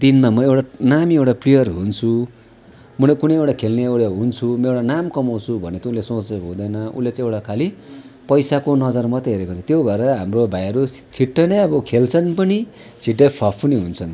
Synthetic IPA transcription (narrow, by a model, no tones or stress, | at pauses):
d̪inmamʌewʈanamiewʈaplijʌrɦunt͡sʰu | mʌnekunʌ̃jewʈakʰelneewɽjaɦunt͡sʰumʌewʈanamkʌmaw̃t͡sʰubʱʌnet̪ʌulesõt͡sʌɦud̪ʌjnʌṵlːet͡sãewʈakʰali | pʌjsakonʌd͡zʌrmʌt̪eɦeɾekot͡sʰʌt̪jobʱʌɾʌɦamrobʱajʌɾut͡sʰiʈːʌnʌʌbʌkʰelt͡sʰʌnpʌni | t͡sʰiʈːepʰʌpʰuniɦunt͡sʰʌn